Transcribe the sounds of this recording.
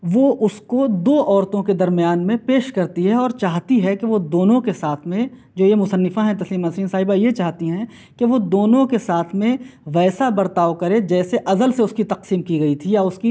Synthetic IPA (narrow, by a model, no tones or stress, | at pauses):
ʋoʔʊskod̪oːʔɔːɾt̪õked̪ɐɾmijaːnmẽpeːʃkɐɾt̪iɦɛɔːɾt͡ʃaːɦt̪iɦɛkeʋod̪oːnõkesaːt̪ʰmẽ | d͡ʒoːjemʊsənːɪfaɦɛ̃t̪ɐsliːmɐsɾiːnsaːɦɪbajet͡ʃaːɦt̪iɦɛ̃ | keʋod̪oːnõkesaːt̪ʰmẽʋɛːsabɐɾt̪aːokɐɾed͡ʒɛːseʔɐzəlseʊskit̪ɐqsiːmkiɡɐit̪ʰijaʊski